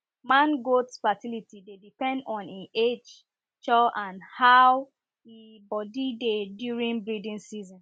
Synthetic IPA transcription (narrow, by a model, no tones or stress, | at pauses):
mãnɡotsfatilitidedipɛ̃ndɔ̃nĩed͡ʒ | t͡ʃɔʔãnhaw | i | bɔdidedjuɹĩnbɹidĩnsizɔ̃n